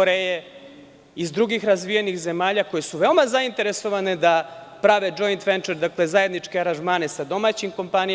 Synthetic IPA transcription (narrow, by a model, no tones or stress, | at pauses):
oɾeje | izd̪ɾuɡixɾazʋijenixze̞maːʎako̞je̞suʋe̞o̞mazaint̪e̞ɾe̞so̞ʋane̞d̪apɾaʋe̞d͡ʒo̞jnt̪ʋe̞nt͡ʃeɾd̪akle̞zaːje̞d̪nit͡ʂkeaɾanʒmaːne̞sad̪o̞maːt͡ɕimko̞mpani